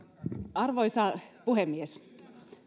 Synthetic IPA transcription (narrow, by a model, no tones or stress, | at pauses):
ʔɑrʋojsɑpuɦemːies